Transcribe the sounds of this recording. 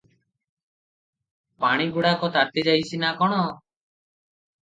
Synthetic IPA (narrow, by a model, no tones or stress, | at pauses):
paɽ̃iɡuɽakɔt̪aɾt̪id͡ʒajsʰinakɔɽ̃ɔ